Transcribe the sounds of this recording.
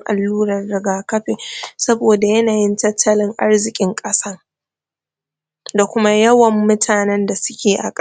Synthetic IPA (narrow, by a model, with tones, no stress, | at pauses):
ŋʔa̰˨lːuː˦ɾɐ˨rːɪ˨ɡaː˨kɐ˦ɸeː˨sɐ˦boː˨da˨jɐ˦naː˨jɪ˦ntɐ˦tʰːɐ˦lɪ˦ŋʔa˦rzɪ˨kʲʼɪ˦ŋkʼɐ˦sɐ˦r | da˨kʷʊ˦ma˦jɐ˦wɐ˨mːʊ˦tʰaː˨nɛ˦nda˨sʊ̥˦kʲeː˨ʔa̰˨kʼ